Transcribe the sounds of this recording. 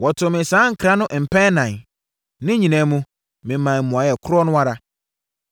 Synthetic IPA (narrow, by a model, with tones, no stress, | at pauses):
wɔ˨tʰʊ˨mɪ̃˨sãː˨˦ŋ̩˨kʰɾa˦nʊ̃˦ʔm̩˨pʰɛ̃˦nã˨n | nɪ̃˦ɲĩ˨nã˨˦mũ˦ | mɪ̃˨mːã˨mũ˨a˨jɛ˨kʰʊ˦ɾɔ˦nʊ̃˦wa˦ɾa˦